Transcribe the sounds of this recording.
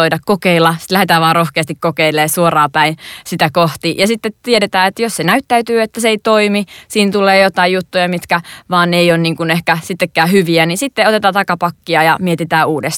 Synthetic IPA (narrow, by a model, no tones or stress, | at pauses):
oidɑkkokeilːɑsi̥t̪læhet̪æːʋɑːrrohkeɑst̪ikkokeilˑeːsuorɑːpæinsit̪ækoht̪ijɑsit̪ːet̪iedet̪æːet̪jossenæyt̪ːæyt̪yːet̪ːæseeit̪oimisiːnt̪uleːjot̪ɑijjut̪ːujɑmit̪kæʋɑːneionniːŋkunehkæsit̪ːekːæːhyʋiænisit̪ːeot̪et̪ɑːt̪ɑkɑpɑkːiɑjɑmiet̪it̪æːʔuːdest̪